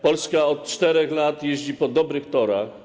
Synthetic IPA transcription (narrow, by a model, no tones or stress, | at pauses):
pɔlskaɔt̪̚t͡ʂt̪ɛɾɛxlat̪jɛʑd͡ʑipɔd̪ɔbɾɘxt̪ɔɾa̰x